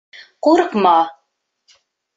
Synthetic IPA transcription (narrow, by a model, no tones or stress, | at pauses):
quɾɤqmɑ